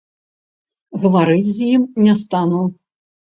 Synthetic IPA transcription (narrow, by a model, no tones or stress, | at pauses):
ɣɐvaɾɨt͡sʲzjimnʲɛst̪anu